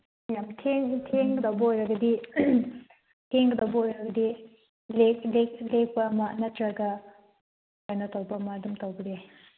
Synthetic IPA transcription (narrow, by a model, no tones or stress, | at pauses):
jamtʰeŋtʰeŋɡɐdawbɐojɾɐɡɐdi | tʰeŋɡɐdawbɐojɾɐɡɐdi | leklek̚lek̚pɐːmɐnɐtɾɐɡɐ | ojnɐtawbɐɐmɐdumtowbɾe